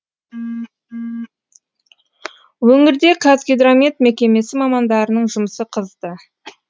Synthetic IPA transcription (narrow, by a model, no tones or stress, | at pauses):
wɵŋɪɾd̪e̞kʰazɡʲed̪ɾomʲet̪mekʲe̞me̞sɪmɑmɑnd̪ɑɾənəɴʒʊməsəqʰəzd̪ə